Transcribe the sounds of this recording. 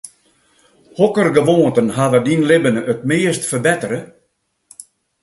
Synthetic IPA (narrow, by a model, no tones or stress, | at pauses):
hɔkərɡəʋoːntənhaʋədinlɪbənəʔətmɪːəstfərbɛtəɾə